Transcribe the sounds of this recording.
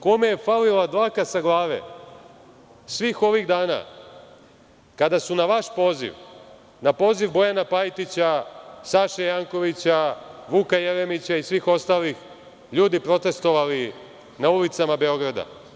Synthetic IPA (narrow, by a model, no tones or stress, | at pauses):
ko̞meje̞falilad̪ʋakasaɡlˠaːʋḛ | sʋiːxo̞ʋiɣd̪aːna̰ | kad̪asunaʋaʃpo̞ːzḭʋ | napo̞ːziʋbo̞janapajt̪it͡ɕasaːʃejaːŋko̞ʋit͡ɕaʋukaje̞ɾemit͡ɕaisʋixo̞st̪aːlix | ʎuːd̪ipɾo̞t̪e̞st̪o̞ʋali | naulit̪samabe̞o̞ɡɾad̪a̰